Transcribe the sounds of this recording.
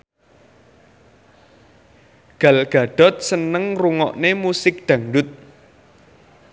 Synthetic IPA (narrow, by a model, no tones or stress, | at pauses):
ɡ̥a̤lɡ̥ä̤ɖ̪̥ɔ̤t̪̚sənəŋruŋɔ̰ʔnemusɪk̚d̪̥a̤ŋɖʊt̪̚